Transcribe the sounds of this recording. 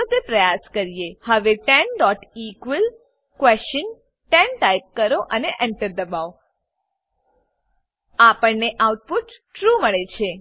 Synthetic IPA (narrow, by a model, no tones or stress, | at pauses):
ot̪epɾəjaskəɾijehəʋeʈɛnɖɔʈikʋəl | kʋɛst͡ʃən | ʈɛnʈajp̚kəɾoʔəneʔɛɳʈəɾd̪əbao | apəɳneʔawʈ̚puʈʈɾuməɭet͡ʃʰe